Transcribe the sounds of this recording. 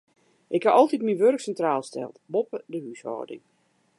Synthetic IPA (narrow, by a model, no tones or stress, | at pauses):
ʔɪkhaʔɔlˠtitminʋørksɛntraːlˠstɛ̰lˠtbopədəhyshɔ̰ːdɪ̰ŋ